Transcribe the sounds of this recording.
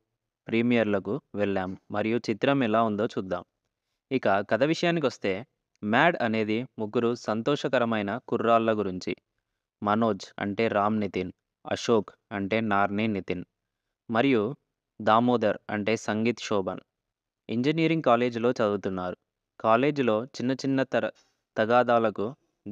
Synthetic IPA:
pɾiːmijɐɾlɐkuʋɛɭːaːmːɐɾijut͡ʃit̪ɾɐmɛlaːund̪o̞ːt͡ʃuːd̪ːa̰ːm | ikɐkɐd̪ɐʋiʂɐjaːnːik̬iʋɐst̪e̞ː | maːɖɐne̞ːd̪imuɡːuɾusɐnt̪ɔːʂɐkɐɾɐmɐjnɐkurːaːlːɐɡuɾiɲt͡ʃḭ | mɐno̞ːd͡ʒɐ̰ɳʈe̞ːɾaːmnit̪in | ɐ̰ʂo̞ːk | ɐɳʈe̞ːnaːɾninit̪in | mɐɾiju | d̪aːmoːd̪ɐɾɐ̰ɳʈe̞ːsɐŋɡiːt̪ʃɔːbɐn | iɲd͡ʒiniːɾiŋɡkaːle̞ːd͡ʒlo̞ːt͡ʃɐd̪ut̪unːaːɾu | kaːle̞ːd͡ʒulo̞ːt͡ʃinːɐt͡ʃinːɐ | t̪ɐɡaːd̪aːlɐku

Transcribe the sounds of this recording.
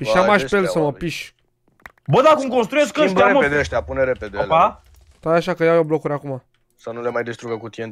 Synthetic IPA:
piʃamaʃpelsəməpiʃ | bəd̪akumkonst̪ɾujesʲkəaɾemoed̪eəʃt̪apuneɾeped̪eopa | t̪at̪aʃakəjawjoblo̞kuɾʲakuma | sənule̞majd̪est̪ɾuɡəkut̪ien

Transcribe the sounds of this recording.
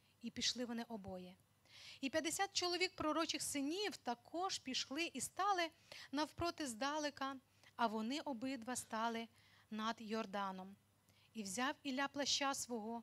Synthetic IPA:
ipʲiʃlˠɪʋɔnɪʔɔbɔjɛ | ipʲjɐd̪esʲat̪̚t͡ʃɔlˠɔʋʲik̚pɾɔɾɔt͡ʃɪxsɪnʲiwt̪ɐkʰɔʒ̥pʲiʃlˠɪʔist̪ɑlˠɪ | nɐwpɾɔt̪ɪzd̪ɑlˠɪkɐ | ɐʋɔnɪʔɔbɪd̪ʋɐst̪ɑlˠɪ | nɐd̪jɔrd̪ɑnɔm | iwzʲɑwilʲaplˠɐʃt͡ʃasʋɔɦɔ

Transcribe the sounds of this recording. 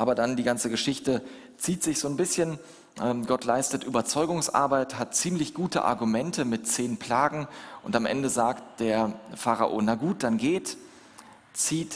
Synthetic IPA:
ʔaːbɐdandiːɡant͡səɡəʃɪçtə | t͡siːtz̥ɪçz̥oːnbɪsçən | ʔɛmɡɔtʰlaɪstətʔyːbɐt͡sɔʏɡʊŋsʔa̰ɐbaɪthat̚t͡siːmlɪçɡ̥uːtə̰ʔa̰ɐɡumɛntʰəmɪtt͡seːnpʰl̥aːɡŋ̩ʔʊntamʔɛ̰ndəzaːktd̥eːɐfaʁa̰ʔo̰ːnaɡuːt̚d̥anɡeːt | t͡siːt

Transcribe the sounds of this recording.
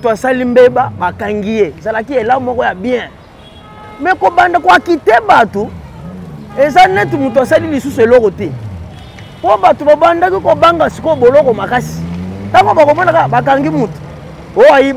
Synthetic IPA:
tasalimbebabakaŋɡijezalakielamɔkɔjabiɛ̃ | mɛkobandakwakitɛbato | ezanɛt̬umutuasalilisusuelɔkɔtɛ | pobatobabandakikobaŋɡasikobolɔkɔmakasi̥taŋɡobakomɔnakabak̬aŋɡimuto̥ | oaji

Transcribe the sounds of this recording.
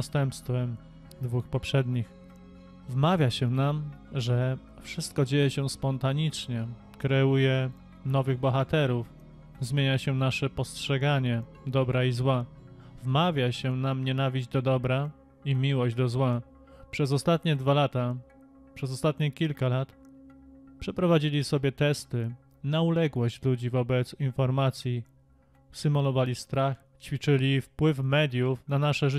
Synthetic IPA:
st̪ɛmpst̪fɛm | d̪vuxpɔpʂɛd̪ɲix | vmavʲjaɕɛnamʐɛ | fʂɘst̪̚kɔd͡ʑejɛɕɛspɔnt̪aɲit͡ʂɲɛ | kɾɛujɛ | nɔvɘɣbɔxat̪ɛɾuf | zmʲjeɲaɕɛnaʂɛpɔstʂɛɡaɲɛ | d̪ɔbɾaizwavmavʲjaɕɛnamɲɛnavʲid͡ʑd͡ʑd̪ɔd̪ɔbɾa | imʲiwɔʑd͡ʑd̪ɔzwa | pʂɛzɔst̪at̪ɲɛd̪valat̪a | pʂɛzɔst̪at̪ɲɛkʲilkalat̪ | pʂɛpɾɔvad͡ʑilʲisɔbʲjɛt̪ɛst̪ɘ | naulɛɡwɔɕt͡ɕlud͡ʑivɔbɛt̪sinfɔɾmat̪sʲji | sɘmɔlɔvalʲist̪ɾax | t͡ɕfʲit͡ʂɘlʲifpwɘfmɛd̪ʲjufnanaʂɛʐɘ

